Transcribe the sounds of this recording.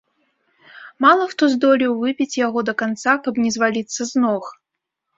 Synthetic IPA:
malˠɐxt̪ɔzd̪ɔlʲiwvɨpʲit͡sʲjaɣɔd̪ɐkant̪sakɐbnʲɛzvalʲit̪sːɐznɔx

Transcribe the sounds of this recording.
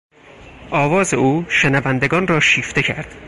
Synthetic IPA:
ʔɒːvɒːze̞uːʃenævænd̪e̞ɡɒːnrɒːʃiːft̪e̞cʰæɾd̪̥

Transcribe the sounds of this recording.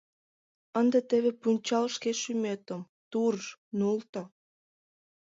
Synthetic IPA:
ənd̪ət̪eβepunʲt͡ɕɑlʃkeʃymet̪əm | t̪urnult̪o

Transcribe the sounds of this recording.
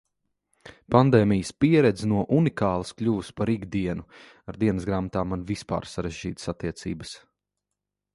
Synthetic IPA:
pand̪ɛːmijəspiɛɾɛd̪znuɔʔunikaːlˠɐsklʲuːspaɾiɡd̪iɛnu | aɾd̪iɛnəsɡɾaːmat̪aːmanvispa̰ːɾsaɾɛʒd͡ʒḭːt̪sat̪ːiɛt̪sḭːbəs

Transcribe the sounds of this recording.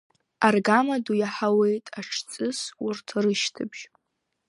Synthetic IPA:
arɡamadujaħawe̞jtʼaʈ͡ʂʰt͡sʼɨsurtʰrɨʃtʰɨ̰bʒ̥

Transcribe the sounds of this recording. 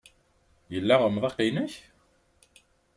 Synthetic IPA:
jəlːæʁəmðˤɑqinæç

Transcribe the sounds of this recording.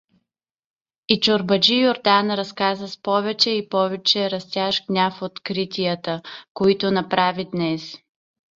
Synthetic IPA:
it͡ʃoɾbɐd͡ʒijoɾd̪anɾɐskazəspɔvɛt͡ʃɛipɔvɛt͡ʃɛɾɐst̪ʲjaʃɡnʲafot̪kɾit̪ʲiət̪əkoit̪onɐpɾavid̪nɛs

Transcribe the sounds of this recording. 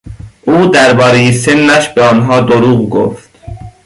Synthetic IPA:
ʔuːd̪æɾbɒːɾe̞jese̞nːæʃbeɒːnɦɒːd̪oɾuːɣɡo̰ft̪

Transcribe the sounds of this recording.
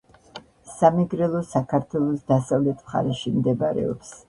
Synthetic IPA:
samiɡɾɛlˠɔsakʰaɾt̪ʰwɛlˠɔsd̪̥asavlɛt̪ʰmχa̰ɾɛʃimd̪ɛbaɾɛ̰ɔ̰ps

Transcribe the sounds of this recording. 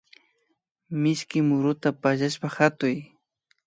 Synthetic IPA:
mɪʃkɪmʊɾʊt̪apaʒaʃpahat̪ʊj

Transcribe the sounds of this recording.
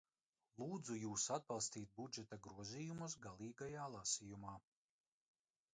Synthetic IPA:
lˠuːd̪zujuːsad̪̚balˠst̪iːt̪̚bud͡ʒɛt̪aɡɾuɔzʲiːjumus̬ɡalˠiːɡajaːlˠasijumaː

